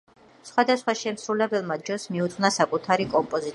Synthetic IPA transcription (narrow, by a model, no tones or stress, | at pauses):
sχwad̪asχwaʃɛmsɾulɛbɛlˠmad͡ʒɔsmiut̪sʼnasakʼut̪ʰaɾikʼɔmpʼɔzi